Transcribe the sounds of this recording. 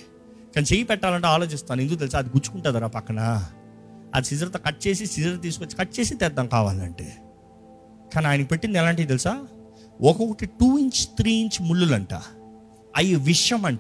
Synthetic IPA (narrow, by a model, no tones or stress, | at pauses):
kaːnit͡ʃejipɛʈːaːlɐɳʈeaːlo̞ːt͡ʃist̪aːnend̪ukːot̪̬elis̬aːɐd̪iɡuɾt͡ʃu̥kuɳʈaːd̪ɐɾaːpɐkːɐɳɐ | ɐ̰d̪isid͡ʒɐɾɐt̪ɐkɐʈ̚ːt͡ʃe̞ːsisid͡ʒɐɾɐt̪̬iːsu̥kot͡ʃːi̥kɐʈːt͡ʃe̞ːsit̪ɛd̪ːɐŋkaːʋa̰ːlɐ̰ɳʈḛː | kaːniaːjɐnɐkipeʈːind̪ɛlaːɳʈiːt̪̬elisaː | ʔɔkɔkɐʈiʈuːiɲt͡ʃt̪ɾiːiɲt͡ʃmuɭːulɐɳʈa̰ː | ɐjɐʋiʂjɐmɐɳ